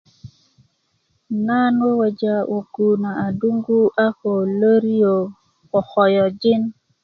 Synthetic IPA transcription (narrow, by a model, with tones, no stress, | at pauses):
na˦no˦wa˨d͡ʒa˦wʔo˨ku˨na˨a˨du˦ŋɡu˦ʔa˦ho˨lə˦ɾi˦jo˨ | kɔ˨xɔ˨jɔ˨d͡ʒi˦n